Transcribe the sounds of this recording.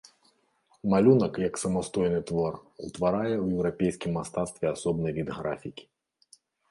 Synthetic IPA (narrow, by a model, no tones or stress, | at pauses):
malʲunɐkjɐksɐmast̪ɔjnɨt̪vɔrut̪vaɾajɛwjɛwɾapʲejsʲkʲimːast̪at̪st̪vʲɛasɔbnɐjvʲid̪ɣɾa̰fʲikʲi̥